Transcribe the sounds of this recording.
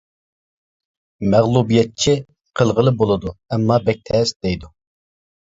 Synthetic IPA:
mæʁlˠubijɛt̪̚t͡ʃʰi | qʰəlˠʁəlˠɨbolˠɨd̪uɛmːɑbɛk̚ʲt̪ʰɛsd̪̥ɛjd̪u

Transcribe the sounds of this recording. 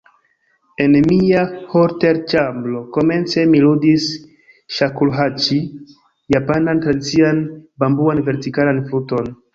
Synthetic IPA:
e̞nmiahoɾte̞ɾt͡ʃamblo̞ko̞me̞nt͡se̞miludis | ʃakulɦat͡ʃi | japanantɾadit͡sianbambuanve̞ɾtikalanfuto̞n

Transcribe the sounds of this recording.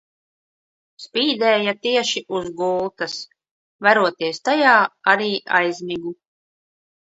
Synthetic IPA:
spiːd̪ɛːjat̪iɛʃiʔuzɡuːlˠt̪as | vaɾuɔt̪iɛst̪ajaːaɾiːʔa̰jzmiɡu

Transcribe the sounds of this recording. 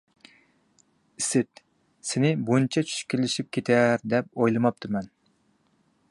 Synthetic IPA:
ɪsɪt̪ | sɪnɪbunt͡ʃʰɛt͡ʃʰy̥ʃkʲelɪʃip̚kʲʰet̪ʰæɾd̪ɛp̚ojlˠɨmɑp̚t̪ʰɨmɛn

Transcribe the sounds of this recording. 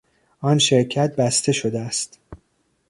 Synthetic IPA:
ɒːnʃe̞ɾcʰæt̪̚bæst̪ʰe̞ʃod̪eæst̪

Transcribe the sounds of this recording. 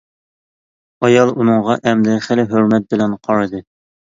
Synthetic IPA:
ɑjɑlˠunɨɴʁɑʔɛmd̪ɛχælɪɦɵɾmɛt̪̚bɪlɛnqʰɑɾɨd̪ɨ

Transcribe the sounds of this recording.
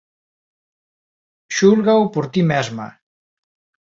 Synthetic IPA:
ʃulɣaopoɾt̪imɛzma̰

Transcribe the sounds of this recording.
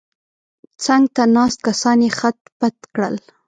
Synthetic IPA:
t͡saŋɡt̪anɑst̪̚kasɑnexat̪̚pat̪kɽə̰l

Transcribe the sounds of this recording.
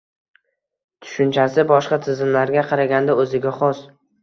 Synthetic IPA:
t̪ʰʊ̥ʃʊnt͡ʃʰasɪbɒʃqɑt̪ʰɪzɪmlaɾɡʲaqʰɑɾaɡʲand̪aɵzɪɡʲaχɒs

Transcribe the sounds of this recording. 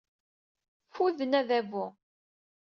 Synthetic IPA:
fuðənæðævʊ

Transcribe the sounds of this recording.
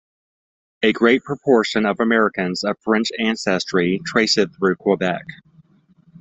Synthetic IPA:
ɨɡɹeɪt̚pʰɹ̥əpʰɔɹʃɨ̃nʌvəmɛɹɨkɨ̃nzʌ̥fɹɛ̃nt͡ʃæ̃nsɛstɹ̥itʰɹ̥eɪsɨd̪̚θɹʉkʰɔbɛk

